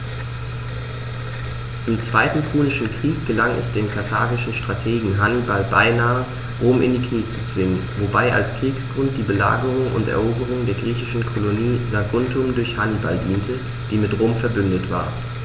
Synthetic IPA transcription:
ʔɪmt͡sv̥aɪtn̩pʰuːnɪʃn̩kʁ̥iːk̚ɡ̥əlaŋɛ̰sd̥eːmkʰaɐtʰaːɡɪʃn̩ʃtʁ̥atʰeːɡŋ̩ɦanbalbaɪnaːə | ʁoːmʔɪ̰ndiːkniːt͡sut͡sv̥ɪŋənvobaɪʔa̰lskʁ̥iːksɡ̥ʁʊnt̚d̥iːbəla̰ːɡəʁʊŋʔʊ̰ntɛ̰ɐʔoːbəʁ̞ʊŋdeːɐɡʁiːçɪʃn̩kʰoloniːzaɡʊntʰʊmdʊɐçhanba̰ldiːntʰə | d̥iːmɪtʁoːmfɛɐbʏndətv̥a̰ː

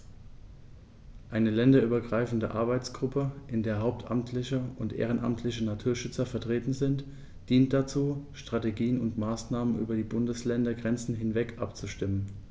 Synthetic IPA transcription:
ʔaɪnəlɛndɐʔyːbɐɡʁaɪfn̩dəʔaɐbaɪt͡sɡ̥ʁʊpʰəʔɪndeːɐɦaʊp̚tʰʔa̰mtʰlɪçəʊntʔḛːʁ̞ənʔa̰mtʰlɪçənatʰuːɐʃʏt͡sɐfɛɐtʁ̥eːtn̩zɪnt | d̥iːnt̚d̥at͡suːʃtʁ̥ateɡiːənʊntmaːsnaːmənʔy̰ːbɐdiːbʊndəslɛndɐɡʁɛnt͡sn̩ɦɪnvɛkʰʔa̰p̚t͡suʃtɪmən

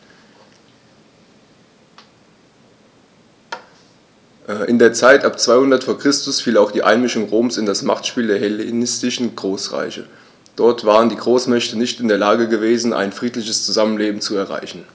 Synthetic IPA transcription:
ʔʔɪndeːɐt͡saɪtʔapt͡sv̥aɪhʊndɐtfoːɐkʁ̥ɪstʊsfiːlaʊxd̥iːʔaɪnmɪʃʊŋʁoːmsɪndasma̰χtʃpiːldeːɐɦɛlenɪstɪʃn̩ɡʁoːsʁa̰ɪçə̰ | d̥ɔɐtv̥aːʁ̞əndiːɡʁoːsmɛçtənɪçtɪndeːɐlaːɡəɡəveːzn̩ʔa̰ɪnfʁ̥iːtlɪçəst͡suzamənleːbm̩t͡suɛɐʁa̰ɪçn̩

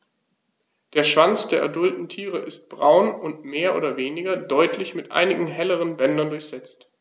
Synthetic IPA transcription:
d̥eːɐʃv̥ant͡sd̥eːɐʔa̰ɐdʊltn̩tʰiːʁəʔɪst̚b̥ʁaʊnʊntmeːɐʔo̰ːdɐveːnɪɡɐdɔʏtʰlɪçmɪtʔa̰ɪnɪɡŋ̩ɦɛləʁ̞ənbɛndɐndʊɐçz̥ɛt͡st

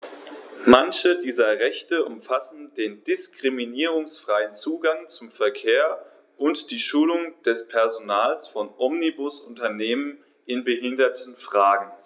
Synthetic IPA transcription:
mançədiːzɐʁɛçtəʔʊmfasn̩deːndɪskʁ̥iminiːʁ̞ʊŋsfʁ̥aɪənt͡suːɡaŋt͡sʊmfɛɐkʰeːɐ | ʔʊntd̥iːʃuːlʊŋd̥ɛspʰɛɐzonaːlsfɔnʔɔmnibʊsʔʊntɐneːmən | ʔɪnbəɦɪndɐtʰənfʁ̥aːɡŋ̩

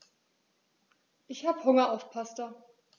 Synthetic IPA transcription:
ʔɪçhaːbəhʊŋɐaʊfpʰastɐ

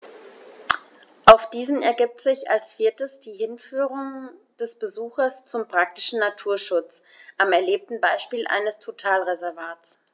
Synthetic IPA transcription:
ʔaʊfd̥iːzn̩ɛɐɡɪp̚tz̥ɪça̰lsfɪɐtəsd̥iːɦɪnfyːʁʊŋ | d̥ɛsb̥əzuːxɐst͡sʊmpʁ̥ak̚tɪ̥ʃn̩natʰuːɐʃʊt͡s | ʔamɛɐleːp̚tn̩baɪʃpiːlʔa̰ɪnəstʰotʰaːlʁezɛɐvaːtt͡s

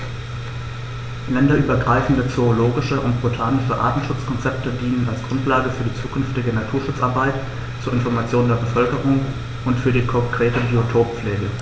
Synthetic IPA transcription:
lɛndɐʔyːbɐɡʁaɪfn̩dət͡sooloːɡɪʃəʔʊntb̥otʰaːnɪʃəʔa̰ːtn̩ʃʊt͡skʰɔnt͡sɛp̚tədiːnənalsɡ̥ʁʊntʰlaːɡəfyːɐdiːt͡suːkʰʏnftɪɡənatʰuːɐʃʊt͡sʔaɐbaɪt | t͡suːɐɪnfɔɐmat͡sjoːndeːɐbəfœlkəʁʊŋ | ʔʊntfyːɐdiːkʰɔkʁ̥eːtəbiotʰoːp̚p͡fleːɡə

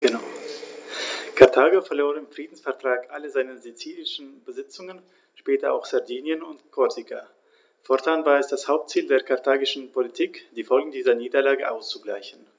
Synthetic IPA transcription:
ɡ̥ənaʊ | kʰaʁtʰaːɡofɛɐloːʁɪmfʁ̥iːdn̩sfɛɐtʁ̥aːkʔaləzaɪnəzit͡siːlɪʃn̩bəzɪt͡sʊŋən | ʃpɛːtɐʔa̰ʊxz̥aɐdiːnjənʊntkʰɔɐtʰikʰa̰ | fɔɐtʰaːnvaːɐɛsd̥ashaʊp̚tt͡siːldeːɐkʰaɐtʰaːɡɪʃn̩pʰolitʰiːkd̥iːfɔlɡŋ̩diːzɐniːdɐlaːɡəʔaʊst͡suɡla̰ɪçn̩

